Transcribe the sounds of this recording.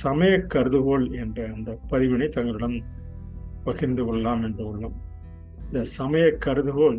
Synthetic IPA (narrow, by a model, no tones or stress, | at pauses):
sɐmɐjɐkːɐɾɯðɯɣoːlɛndrɐːnd̪ɐpɐðɪʋɪnɐɪt̪ɐŋɡɐɭɯɽɐn | pɐɣɪɾnd̪ɯkɔɭːɐlaːmɛndrɯɐɭːɯm | ɪnd̪ɐsɐmɐjɐkːɐɾɯðɯɣoːl